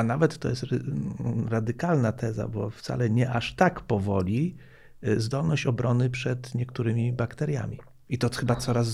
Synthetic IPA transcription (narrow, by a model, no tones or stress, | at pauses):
anavɛt̪ːɔ̰jɛst̪ɾ | ɾad̪ɘkalnat̪ʰɛza̰bɔft̪sa̰lɛɲɛʔaʂt̪akpɔvɔlʲi | zd̪ɔlnɔɕt͡ɕɔbɾɔnɘpʂɛt̪ɲɛkt̪uɾɘmʲibakt̪ɛɾja̰mʲi | it̪ɔxɘbat̪sɔɾaz